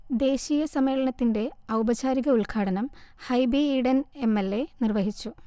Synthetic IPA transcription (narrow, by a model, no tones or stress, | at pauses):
d̪e̞ːɕiːjɐsɐmːe̞ːɭɐɳɐt̪ːinde̞ɐwbɐt͡ɕaːɾiɣɐuɭkʰaːɽɐnɐmhɐjbiiɽɐne̞mːelːe̞nirʋɐɦit͡ɕːu